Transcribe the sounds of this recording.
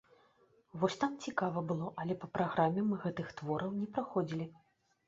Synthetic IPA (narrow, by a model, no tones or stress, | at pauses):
vɔsʲt̪amt͡sʲikavɐbɨlˠɔʔɐlʲɛpɐpɾaɣɾamʲːɛmɨɣɛt̪ɨxt̪vɔɾɐwnʲɛpɾaxɔd͡zʲilʲi